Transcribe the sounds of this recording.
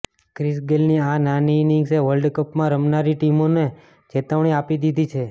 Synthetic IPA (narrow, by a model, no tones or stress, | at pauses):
kɾisɡelniãnaniːnɪŋɡseʋəlɖkəpmãɾəmnaɾiʈimone | t͡ʃet̪əʋɳ̃iapid̪id̪it͡ʃʰe